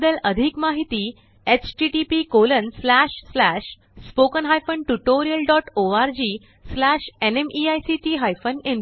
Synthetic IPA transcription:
d̪ələd̪ʱikmaɦit̪iː | et͡ɕʈiʈipikolənslæɕslæɕ | spokənɦajfəɳʈuʈoɾijəlɖɔʈoaɾd͡ʑiː | slæɕenemiajsiʈiːɦajfənẽn

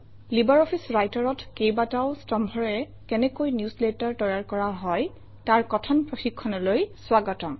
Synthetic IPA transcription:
libaɹɔpʰisɹajtɔɹɔtʰkejbataʊstɔmbʱɔɹɛ | kɛnɛkojnjusletaɹtɔjaɹkɔɹaɦɔj | taɹkɔtʰɔnpɹoxikʰːɔnɔlojswaɡɔtɔ

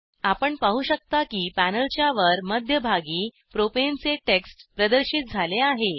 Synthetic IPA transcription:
apəɳpaɦuːɕək̚t̪akiːpænəlt͡ɕjaʋəɾməd̪ʱjəbʱaɡiː | pɾopent͡seʈeksʈpɾəd̪əɾɕiːt̪̚d͡zʱaleaɦe

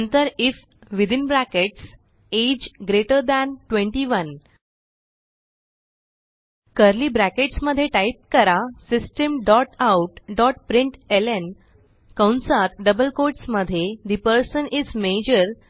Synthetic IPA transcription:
nt̪əɾif | ʋid̪inbɾækeʈs | ed͡ʑɡɾeʈəɾd̪æ̃nʈʋẽɳʈiʋən | kəɾliːbɾækeʈsməd̪ʱːjeʈajp̚kəɾasisʈəmɖɔʈawʈɖɔʈ̚pɾiɳʈelen | kãwnsat̪ɖəbəlkoɾʈsməd̪ʱːjed̪ipəɾsənizmed͡ʑəɾ

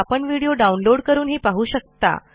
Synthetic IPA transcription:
apəɳʋiɽijoɖaunloɽkəɾuːnɦiːpaɦuːɕək̚t̪a̰

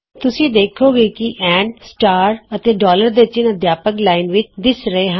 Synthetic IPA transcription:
t̪ʊsĩːd̪eːkʰoːɡeːkiʔɛ̃ːɳɖsʈaːɾət̪eːɖɔːləɾd̪eːɪt͡ʃɪnəd̪jaːpəklaːinʋɪt͡ʃd̪ɪsɾəeːɦã

